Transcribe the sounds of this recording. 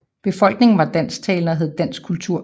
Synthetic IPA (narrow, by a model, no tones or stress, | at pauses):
b̥e̝fɒ̽l̰ɡ̥ne̝ŋn̩ʋɑ̈d̥æn̰st͡sʰɛːlnɐɦeð̞̩ˠd̥æn̰sɡ̥kʰult͡sʰuɐ̰